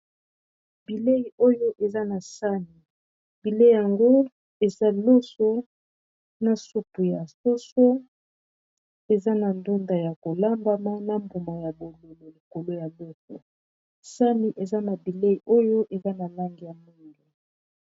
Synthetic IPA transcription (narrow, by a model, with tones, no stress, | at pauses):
bi˨le˦i˨ʔo˦jo˦ʔe˨za˦na˨sa˦mi˨ | bi˨le˦ja˨ŋɡo˦ | e˨za˦lo˦so˦ | na˨su˦pu˨ja˨so˦so˦ | e˨za˦na˨ndu˦nda˨ja˨ko˨la˦mba˦ma˦na˨mbu˨ma˨ja˨bo˨lo˨lo˨li˨ko˨lo˦ja˨lo˦so̰˨ | sa˦mi˨ʔe˨za˦na˨bi˨le˦i˨ʔo˦jo˦ʔe˨za˦na˨la˦ŋɡi˨ja˨mu˦ŋɡu˨